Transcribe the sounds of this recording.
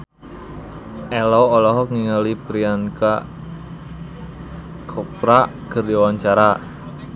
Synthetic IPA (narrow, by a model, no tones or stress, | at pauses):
ʔɛlɔɔlɔɦɔkŋiŋəlipɾianka | kʰɔpɾakərdiwaɲt͡ʃaɾa